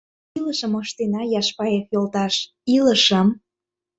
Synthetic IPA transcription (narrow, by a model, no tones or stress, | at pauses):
iləʃəməʃt̪enɑjɑʃpɑjefjolt̪ɑʃ | iləʃəm